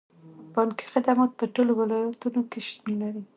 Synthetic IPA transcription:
bɑnki̥xɪd̪amɑt̪̚pəʈolowɪlɑjat̪unokeʃt̪milaɾi

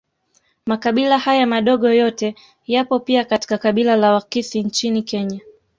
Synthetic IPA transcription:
makaɓilahajamaɗɔɠɔjɔtɛ | japɔpiakati̥kakaɓilalawakisint͡ʃinikɛɲa

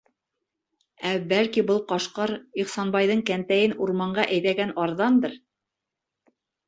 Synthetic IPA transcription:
æbælkibɤlˠqɑʃqɑɾiχsɑnbɑjðɤɴkænt̪æjɘnuɾmɑɴɢɑʔæjðæɡænɑɾðɑnd̪ɤɾ

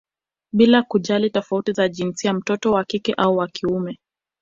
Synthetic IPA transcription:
ɓilakuʄalitɔfautizaʄinsiam̩tɔtɔwakikɛʔauwakiumɛ

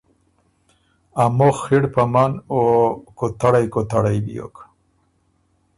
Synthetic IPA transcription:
amoχːiɽpamanokot̪aɽajkot̪aɽajbḭjo̰k

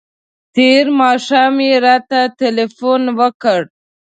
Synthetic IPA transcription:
t̪eɾmɑʃɑmiɾɑt̪atelefonwəkəɽ

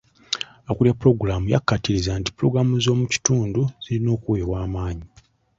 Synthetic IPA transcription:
okuljapuɾo̞ɡuɾamuja̰kːatiɾizaːnti̥puɾo̞ɡɾamuzo̞ːmuci̥tuːnduz̥ilino̞ːkuweβwaːmaːɲi

